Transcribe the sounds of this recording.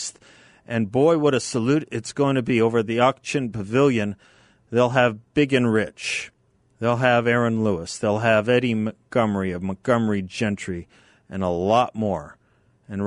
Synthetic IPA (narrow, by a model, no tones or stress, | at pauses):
s | ʔɨ̃nbɔɪwʌɾɨsəlʉɾɨtsɡ̥oʊɪ̃ŋtʰɨbioʊvə˞ðiɑk̚t͡ʃɨ̃npʰɨvɪlˠjɨ̃n | ðeɪlˠɨvbɪɡɨ̃nɹɪt͡ʃ | ðeɪlˠɨvɛɹɨ̃nluəsðeɪlˠɨvɛɾiməɡ̥ʌmiʌvməɡ̥ʌmid͡ʒɛ̃nt͡ʃɹ̥i | ʔɨ̃nəlɔt̚mɔɹ | ɨ̃n